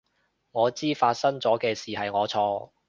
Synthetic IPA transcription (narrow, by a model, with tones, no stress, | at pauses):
ŋɔː˨˧t͡siː˥faː˧t̚sɐ˥ŋt͡sɔː˨˥kɛː˧siː˨˩hɐ˨jŋɔː˨˧t͡sʰɔː˧